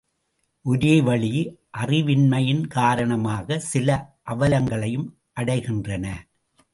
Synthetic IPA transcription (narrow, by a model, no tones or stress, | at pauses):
ʔʊɾeːʋɐɭɪjʔɐrɪʋɪnmɐjɪnkaːɾɐɳɐmaːɣɐsɪlɐʔɐʋɐlɐŋɡɐɭɐjɯm | ʔɐɽɐɪɣɪndrɐnɐ